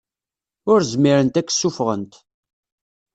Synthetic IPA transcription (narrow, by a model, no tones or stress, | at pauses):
ʊɾzəmiɾənt̪ækːə̥sːufʁə̰nt̪